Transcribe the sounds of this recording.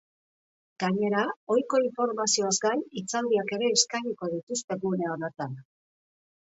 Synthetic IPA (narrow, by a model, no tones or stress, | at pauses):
ɡ̥aɲe̞ɾao̞jko̞iɱfo̞ɾmasio̞azɡajit͡sald̪iake̞ɾe̞ːskaɲiko̞ð̞it̪ust̪e̞ɣune̞oɾet̪an